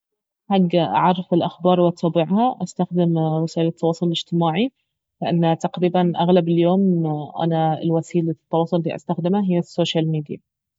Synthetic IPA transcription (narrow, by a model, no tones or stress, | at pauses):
ħaɡːaʔa̰ʕɑrˤːɑfɪlʔaxbɑːɾˤwɪʔt̪ɑːbɪʕhaʔast̪axd̪ɪmwɪsaːʔɪlɪt̪ʰːɑwɑːsˤolɪlɪd͡ʒt̪ɪmaːʕi | lɪʔanːt̪aqɾiːbanʔaɣlabɪljoːmʔa̰naɪ̰lwasiːlt̪ːɑwɑːsˤʊlʔlːiːʔa̰st̪axd̪ɪmaɦɪjːasːoːʃalmiːd̪ija